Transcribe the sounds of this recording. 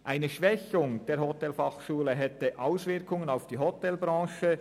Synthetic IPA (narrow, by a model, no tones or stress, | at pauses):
ʔaɪnəʃvɛçʊŋd̥eːɐɾhɔtɛlfɑχʃuːləɦɛtəʔaʊsvɪɐkʰʊŋənaʊfd̥iːɦɔtɛlbɾɑ̃ːʃə